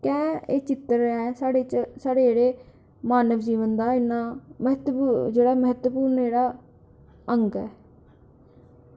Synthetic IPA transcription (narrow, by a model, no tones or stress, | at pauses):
kɛ̃ːeːt͡ʃɪt̪əɾɛːsaːɽeːt͡ʃsaːɽeːeːɽeː | maːnəʋd͡ʒiːʋənd̪aːɪnːaːməɦət̪pːd͡ʒeːɽaːməɦət̪əpuːɾnd͡ʒeːɽaː | əŋɡɛː